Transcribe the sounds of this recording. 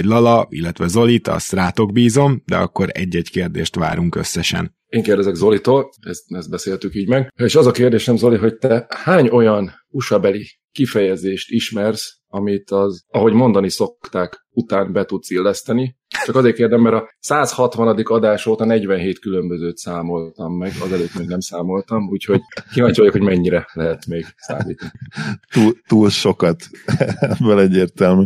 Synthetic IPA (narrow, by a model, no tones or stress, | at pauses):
ɟlɒlɒḭlːɛt̪ʋɛzo̞lit̪ɒ̰st̪raːt̪o̞ɡ̚biːzo̞md̪ɛ̰ɒ̰kːo̞ɾɛ̰ɟːɛɟkeːrd̪eːʃt̪ʋa̰ːɾuŋkø̞̰sːɛʃɛ̰n | eːŋkeːrd̪ɛzɛɡzo̞lit̪oːlɛ̰st̪ɛst̪bɛseːlt̪ykiːɟmɛɡeːʃɒzɒkeːrd̪eːʃɛmzo̞liɦo̞c̚t̪ɛhaːɲo̞jɒn | uʃɒbɛli | kifɛjɛzeːʃt̪iʃmɛrs | ɒmit̪ɒzɒɦo̞ɟmo̞nd̪ɒniso̞kt̪aːk | ut̪aːnbɛt̪ut̪silːɛst̪ɛni | t͡ʃɒkɒzeːrkeːrd̪ɛmːɛɾɒsaːshɒt̪ʋɒnɒd̪ikɒd̪aːʃoːt̪ɒnɛɟʋɛnɦeːt̪kylømbøzøːt̪saːmo̞lt̪ɒmːɛɡɒzɛløːt̪meːɡnɛmsaːmo̞lt̪ɒmuːcho̞ɟkilɒɲt͡ʃo̞jokho̞ɟmɛɲːiɾɛlɛɦɛt̪meːɡsa̰ːmiːt̪ɒnit̪uːlt̪uːlʃo̞kɒt̪ɛbɛlɛɟːeːrt̪ɛlmy